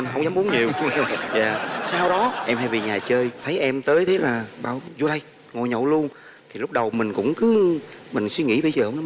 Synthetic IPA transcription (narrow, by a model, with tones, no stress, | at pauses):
ɦə˧wŋ͡mzaː˨˦mʔu˨˦ənɲi˨˩əwza̰ː˨˩saː˧wɗɔ˨˦ʔɛ˧mha˧vi˨˩ɲaː˨˩t͡ɕəː˧jt̪ʰə˨˦jʔɛ˧mt̪əː˨˦jt̪ʰe˨˦laː˨˩ɓa̰ː˧˨wzu˧ɗa˧j | ŋo˨˩jɲo̰˧˨lu˧ən | t̪ʰi˨˩lk͡p̚ɗə˨˩wmï˨˩ŋ̟kʊ̰˧˥ŋ͡mkɨ˨˦mï˨˩ŋ̟swi˧ŋḭ˧˥ɓə˧jzəː˨˩hə˧wŋ͡mn˨˦